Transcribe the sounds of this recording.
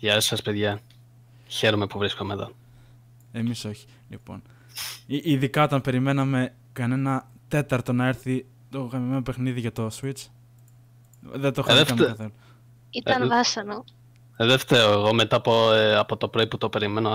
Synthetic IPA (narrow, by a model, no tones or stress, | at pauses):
ʝɐesɐspe̞ðʝɐ | çe̞ɾome̞puvɾiskomeðo̰ | e̞miso̞çi̥ | lḭpo̞̰n | iiðikɐo̞t̪ɐmpe̞ɾime̞nɐme̞ | kɐne̞nɐ | t̪e̞t̪ɐɾt̪o̞nɐe̞ɾθi | t̪o̞ɣɐmime̞nope̞xniðiʝɐt̪o̞swit͡s | ðet̪oxðefɐmθel | iɐnðɐsɐno | ðeft̪eɾoeɣo̞me̞t̪ɐːpoɐpo̞t̪o̞pɾo̞iput̪o̞pe̞ɾime̞no